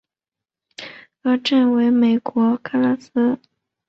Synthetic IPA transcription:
ɤ˧˥ʈ͡ʂə˥˩nwe˧˥ɪme˨˩ɪkwɔ˧˥kʰa˥la˥sɹ̩˥

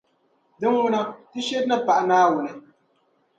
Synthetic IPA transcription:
dɨ˦ŋwʊ˦na˦tɨ˦ʃe˦dna˦pa˨ʔa˨naː˦wʊ˨nɨ˦

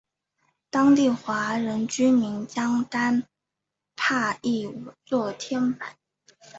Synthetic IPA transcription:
t̪ɑ˥ŋt̪i˥˩xwa˧˥ɻə˧˥nt͡ɕy˥mi˧˥nt͡ɕjɑ˥ŋt̪a˥n | pʰa˥˧i˥˩u˨˩t͡swɔ˥˩t̪ʰjɛ˥npa˨˩˦n

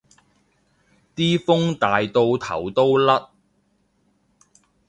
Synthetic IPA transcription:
t̪iː˥fʊ˥ŋt̪aː˨jt̪o˧wt̪ʰɐ̰˨˩wt̪o˥wlɐ˥t̚

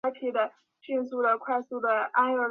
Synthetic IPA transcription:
t̪ʰi˧˥d̪ə˧ | ɕi˥˧nsu˥˩d̪ə˩kʰwa˥˧ɪsu˥˩d̪ə˩a˥nə˥˩

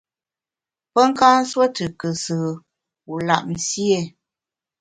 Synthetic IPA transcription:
pə˦ŋ̩˦kaː˦n̩˦swə˦tə˨kə˨səː˨ | u˨la̰˨ʔ̚n̩˨sje˦˨

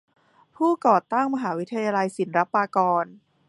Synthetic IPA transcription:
pʰuː˥˩kɔː˨˩t̪a˥˩ŋma˧ɦaː˩˦wi˦˥t̪ʰːa˧jaː˧la˧jsi˨˩˦nɾa˦˥pːaː˧kɔː˧n

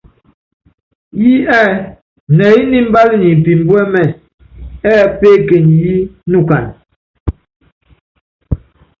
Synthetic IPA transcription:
ji˦ɛ˦˨ | nɛ˨i˦ni˦m̩˦ba˦li˦ni˨m̩˨pi˨m˦bwɛ˦mɛ˦˨n | ɛ˦˨pe˦ke˨ni˨ji˦nu˦ka˨n

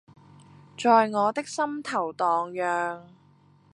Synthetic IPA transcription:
t͡ʃɔː˨jŋɔː˨˧t̪ɪ˥k̚sɐ˥mt̪ʰɐ˨˩wt̪ɔː˨ŋjœː˨ŋ

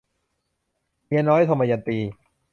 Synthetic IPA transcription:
mi˦˥nɔː˦˥jt̪ʰa˧˩maː˧ja˧nt̪iː˧

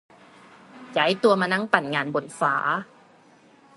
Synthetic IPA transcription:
ja˩˦jt̪u˧ɐmaː˧na˦˥ŋpa˨˩nŋaː˧nbo˨˩˦nfaː˩˦

